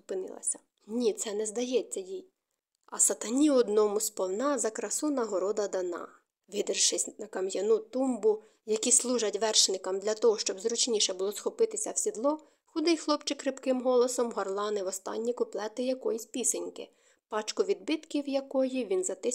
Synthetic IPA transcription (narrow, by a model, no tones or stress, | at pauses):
ʊpɪnɪ̰lˠɐ̰sʲɐ̥ | nʲit̪sɛnɛzd̪ɐjɛt͡sʲːɐjij | ɐsɐt̪ɐnʲiɔd̪nɔmʊspɔwnɑzɐkɾɐsunɐɦɔɾɔd̪ɐd̪ɐnɑ̰ | ʋʲid̪ɪrʃɪsʲnɐkɐmjɐnut̪umbʊ | jɐkʲislˠuʒɐtʲʋɛrʃnɪkɐmd̪lʲɐt̪ɔɦɔʃt͡ʃɔbzɾʊt͡ʃnʲiʃɛbʊlˠɔsxɔpɪt̪ɪsʲɐwsʲid̪lˠɔ | xʊd̪ɪjxlˠɔpt͡ʃɪkːɾɪpkɪmɦɔlˠɔsɔmɦɔrlˠɑnɪʋɔst̪ɑ̰nʲːikʊplˠɛt̪ɪjɐkɔjisʲpʲisenʲkɪ̰ | pɑt͡ʃkʊʋʲid̪̚bɪt̪kʲiwjɐkɔjiʋʲinzɐt̪ɪ